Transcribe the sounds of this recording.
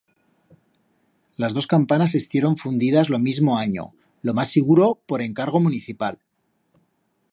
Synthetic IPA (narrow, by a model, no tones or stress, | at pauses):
lazðo̞skampanasest̪je̞ɾo̞ɱfund̪ið̞azlo̞mizmo̞aɲo̰ | lo̞masːiɣ̞uɾo̞po̞ɾe̞ŋkaɾɣ̞o̞muniθipal